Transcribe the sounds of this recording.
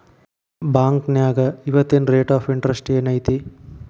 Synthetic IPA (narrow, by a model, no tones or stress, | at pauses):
baːŋknjaːɡɐiʋɐt̪ːenɾeːʈaːpʰiɳʈɾɐsʈeːnɐjt̪i